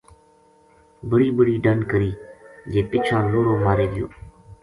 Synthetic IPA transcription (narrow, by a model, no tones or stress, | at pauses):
bəɽiːbəɽiːɖənɖkəɾiːd͡ʒeːpɪt͡ʃʰãːloːɾõːmaːɾeːd̪ɪjõ̰ː